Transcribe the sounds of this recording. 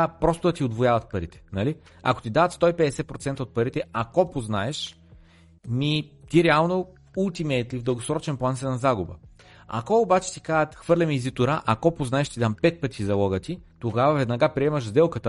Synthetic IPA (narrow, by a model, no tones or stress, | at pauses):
pɾɔst̪ʊd̪ɐt̪iod̪vojavət̪̚pɐɾit̪ɛ̥nɐli | ɐ̰ko̥t̪id̪avət̪st̪ɔipɛd̪ɛsɛt̪̚pɾot̪sɛnt̪əot̪̚pɐɾit̪ɛakɔpoznaɛʃ | mit̪iɾɛalˠno | ulˠt̪imɛt̪livd̪əlˠɡosɾɔt͡ʃɛnplˠansɛnɐzaɡʊbə̰ | a̰kɔobat͡ʃɛ̥t̪i̥kaət̪xvɤɾlʲɐmiːzit̪ʊɾaʔakɔpoznaɛʃt̪id̪ampɛt̪̚pət̪izɐlˠɔɡət̪it̪oɡavɐvɛd̪nɐɡapɾiɛməʒzd̪ɛlˠkət̪ə